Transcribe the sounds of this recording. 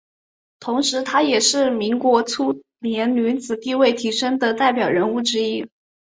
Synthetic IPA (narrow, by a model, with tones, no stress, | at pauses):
t̪ʰʊ˧˥ŋʂɻ̩˧˥t̪ʰa˥jɛ˨˩ʂɻ̩˥˩mi˧˥ŋkwɔ˧˥t͡sʰu˥ | njɛ˧˥nly˧˥nt͡sɹ̩˨˩t̪i˥˧we˥˩ɪt̪ʰi˧˥ʂɤ˥ŋd̪ə˨t̪a˥˩ɪpjɑ˨˩ʊɻə˧˥nu˥˩ʈ͡ʂɻ̩˥i˥